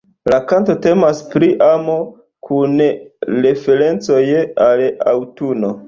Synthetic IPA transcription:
lakanto̞te̞maspɾiʔamo | kʰunɾe̞fe̞ɾe̞nt͡so̞jala̰wtuno̞

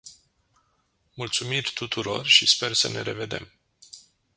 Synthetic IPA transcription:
mult̪sumirʲt̪ut̪uɾo̞̰rʃispe̞rsəne̞ɾe̞ve̞d̪e̞̰m

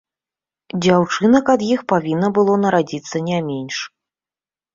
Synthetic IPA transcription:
d͡zʲawt͡ʂɨnɐkɐd̪jixpavʲinːɐbɨlˠɔnɐɾad͡zʲit̪sːɐnʲamʲenʲʂ

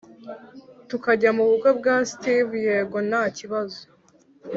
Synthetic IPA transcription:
tukaɟamuβukob̚ɡaːstivjeɡo̞naːciβazo̥

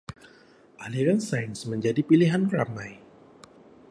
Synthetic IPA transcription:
ʔaliɾansajnsməɲd͡ʒadipiliɦankɾamaj

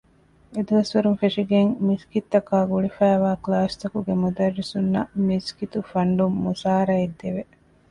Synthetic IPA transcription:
ed̪uʋɐsʋɐɾumfeʂiɡeŋmiskit̪ːɐkaːɡuɭifæːʋaːklaːst̪ɐkuɡemud̪ɐrːisunːɐmiskit̪ufɐɳɖumːusaːɾɐid̪ːeʋe

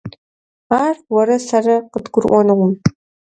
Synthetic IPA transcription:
aːrwɔɾɐsɐrɐqədɡʷʊrʔʷɔnɨʁʷʊm

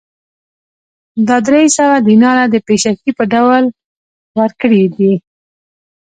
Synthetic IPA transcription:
d̪ɑd̪ɾejsəwad̪inɑlad̪əpeʃakipəɖawl | wəɾkəɽid̪i

